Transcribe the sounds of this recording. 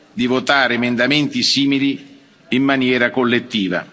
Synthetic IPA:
d̪ivot̪aːɾɪemend̪ament̪isiːmili | imːanjɛːɾakolːet̪ːiːva̰

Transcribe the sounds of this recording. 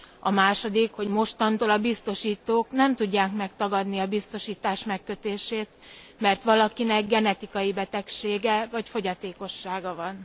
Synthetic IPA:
ɒmaːʃo̞d̪ikho̞ɟmo̞ʃt̪ɒnt̪oːlɒbist̪o̞ʃiːt̪oːknɛmt̪uɟːaːkmɛk̚t̪ɒɡɒd̪niɒbist̪o̞ʃiːt̪aːʃmɛkːø̞t̪eːʃeːt̪mɛrt̪ʋɒlɒkinɛɡɡɛnɛt̪ikɒjibɛt̪ɛkʃeːɡɛvɒcfo̞ɟɒt̪eːko̞ʃːaːɡɒvɒn

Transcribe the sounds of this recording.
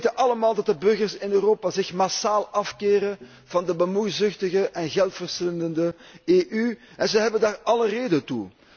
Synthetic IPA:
tənʔɑləmaːlˠdɑt̚dəbɵrɣərsɪnøːroːpazɪxmasaːlˠɑfkeːɾən | v̥ɑndəbəmujzʏxtəɣəʔɛnɣɛlˠtfərsɪndəndəeːʔy | ɛnzəɦɛbəndaːrɑləreːdəntṵ

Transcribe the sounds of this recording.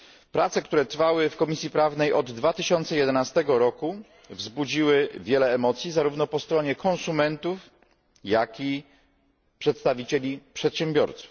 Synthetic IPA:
pɾat̪sɛkt̪uɾɛt̪ɾfawɘfkɔmʲisʲjipɾavnɛjʔɔd̪ːvat̪ɘɕɔnt̪sɛjɛd̪ɛnast̪ɛɡɔɾɔku | vzbud͡ʑiwɘvʲjɛlɛːmɔt̪sʲjizaɾuvnɔpɔst̪ɾɔɲɛkʰɔ̃ñsumɛnt̪uf | jakʲi | pʂɛt̪st̪avʲit͡ɕelʲipʂɛt̪ɕɛmbʲjɔ̰ɾt̪su̥f

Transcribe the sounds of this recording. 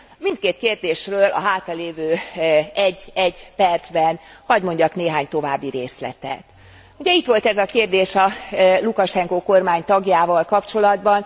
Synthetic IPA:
mint̪̚keːt̪keːrd̪eːʃrøːlʔɒ̰ɦaːt̪ɒleːvøːɛɟːɛɟːpɛrd̪z̥bɛnhɒɟmo̞ɲɟɒkneːɦaːɲt̪o̞vaːbːiɾeːslɛ̰t̪ɛ̰t̪ | uɟɛit̪ʋo̞lt̪ɛzɒkeːrd̪eːʃɒlukɒʃɛŋkoːko̞rmaːɲt̪ɒɡjaːvɒlkɒpt͡ʃo̞lɒd̪bɒn

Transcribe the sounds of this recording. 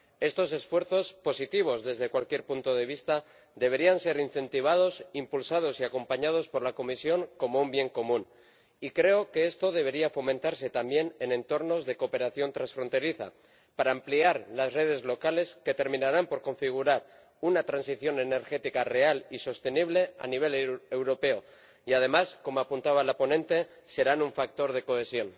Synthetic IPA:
e̞st̪o̞s̬e̞sfwe̞ɾθo̞spo̞sit̪iβ̞o̞zðe̞zðe̞kwalkje̞ɾpunt̪o̞ð̞e̞β̞ist̪a | ðe̞β̞e̞ɾianse̞ɾin̟θe̞nt̪iβ̞að̞o̞simpulsað̞o̞siako̞mpaɲað̞o̞spo̞ɾlako̞misjo̞ŋko̞mo̞umbje̞ŋko̞mũn | ikɾe̞oke̞e̞st̪o̞ð̞e̞βe̞ɾiafo̞mẽ̞nt̪aɾse̞t̪ambje̞ne̞nẽ̞nt̪o̞ɾno̞zðe̞ko̞pe̞ɾaθjo̞nt̪ɾansfɾo̞nt̪e̞ɾiθa̰ | paɾaːmpliaɾlazre̞ð̞e̞zlo̞kale̞ske̞t̪e̞ɾmĩnaɾampo̞ɾko̞ɱfiɣ̞uɾaɾ | unat̪ɾansiθjo̞ne̞ne̞ɾxe̞t̪ikare̞aliso̞st̪e̞niβ̞le̞a̰niβ̞e̞lewɾo̞pe̞o | iað̞e̞masko̞moapunt̪aβ̞alapo̞nẽ̞nt̪e | se̞ɾanuɱfak̚t̪o̞ɾð̞e̞ko̞e̞sjo̞n

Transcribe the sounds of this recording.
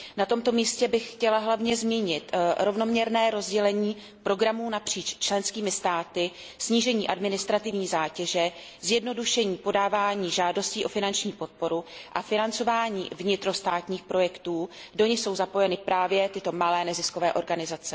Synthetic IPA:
nat̪o̞mt̪o̞miːscɛbɪxxcɛlaɦlavɲɛzmiːɲɪt̪ɾo̞vno̞mɲɛɾnɛːɾo̞zɟɛlɛɲiː | pɾo̞ɡɾamuːnapr̝̥iːt͡ʃt͡ʃlɛnskiːmɪst̪aːt̪ɪ | sɲiːʒɛɲiːʔadmɪnɪst̪ɾat̪ɪvɲiːzaːcɛʒɛ | zjɛdno̞duʃɛɲiːpo̞daːvaːɲiːʒaːdo̞sciːʔo̞fɪnant͡ʃɲiːpo̞t̪̚po̞ɾuʔafɪnant͡so̞vaːɲḭːvɲɪt̪ɾo̞st̪aːt̪ɲiːxpɾo̞jɛkt̪uːdo̞ɲɪso̞wzapo̞jɛnɪpɾaːvjɛt̪ɪt̪o̞malɛːnɛzɪsko̞vɛːʔo̞ɾɡanɪzat͡sɛ

